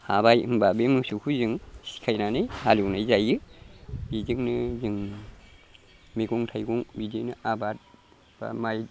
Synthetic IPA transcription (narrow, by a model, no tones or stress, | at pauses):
habajɯmbabemɯsukʰuzɯŋsi̥kʰajnanɯjhaliwnajzajɯ | biziŋnɯzɯŋ | meɡuŋtʰajɡuŋbidinɯʔabat̚ | b̥a̰maj